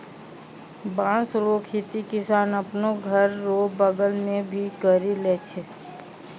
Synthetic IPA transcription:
bãːsɾoːkʰit̪ikɪsaːnəpnoɡʱəɾːoːbəɡəlmẽbʱikəɾileːt͡ʃʰe

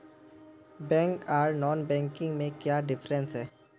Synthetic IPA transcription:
bɛ̃ːŋkaːɾnɔːnbɛ̃ːŋkɪ̃ŋɡmẽkjaːɖɪfɾə̃nsɦɛː

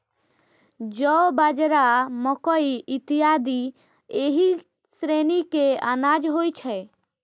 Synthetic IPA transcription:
d͡ʒɔbad͡ʒɾamɔkɔiɪt̪ijaːd̪i | eːɦi | sɾeːnikeanaːd͡ʒɦoit͡ʃʰɛ

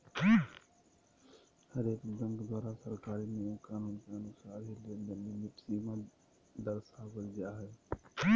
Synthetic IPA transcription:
həɾeːkd͡ʒə̃ŋkd̪waːɾasəɾkaːɾinekaːnuːnkeɐnʊsaːɾɦilend̪əlemɪʈsima | d̪əɾsaɡəɾɡjaɦɛː

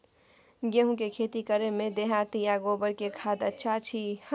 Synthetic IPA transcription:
ɡeɦũkekʰeːt̪ikəɾemẽd̪eɦat̪ijaɡoːbəɾkekʰaːd̪ətːʃʰat͡ʃʰih

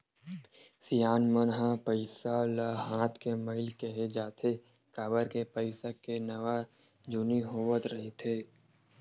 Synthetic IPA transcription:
sijaːnmənɦapəɪsalaɦãːt̪ʰkeməɪlkeɦed͡ʒaːt̪ʰe | kaːbəɾkepəɪsakenɐʋa | d͡ʒʊniɦoːwət̪ɾɐɦit̪ʰeː

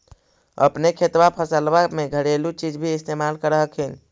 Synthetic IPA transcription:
ə̰pnekʰet̪wapʰəsəlbameɡʱəɽelut͡ʃid͡ʒbʱiːst̪emalkəɾəɦəkʰin

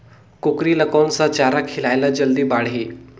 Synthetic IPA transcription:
kʊkɾilɐkaːnsãt͡ʃaːɾakʰɪlaːɪlad͡ʒɐld̪ibaːɽ̤ɦiː

